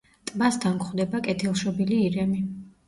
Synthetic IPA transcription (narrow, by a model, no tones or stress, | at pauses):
t̪ʼmasd̪aŋkχwd̪ɛbakʼɛt̪ʰilˠʃɔbiliːɾɛmi